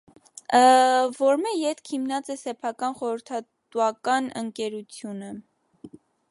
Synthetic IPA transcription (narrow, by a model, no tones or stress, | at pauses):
vɔɾmɛjɛt̪kʰimnɑt͡sɛsɛpʰɑkɑnχɔɾəɾt̪ʰɑ | t̪uɑkɑnə̰ŋkɛɾut͡sʰjunə